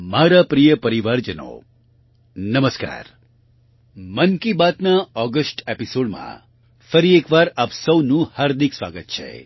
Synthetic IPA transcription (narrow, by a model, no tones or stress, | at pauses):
maɾapɾijəpəɾiʋaɾd͡ʒəno̰ | nəməska̰ːɾ | mənkibat̪naɔɡəsʈepisoɽmã̰ | fəɾiekʋaɾaːpsəwnũhaɾd̪iksʋa̰ɡət̪̚t͡ʃʰḛ